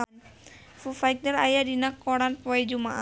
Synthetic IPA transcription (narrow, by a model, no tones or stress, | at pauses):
n | fufajk̚d̪əɾajadinakːɔɽanpɔjd͡ʒuma̰ʔa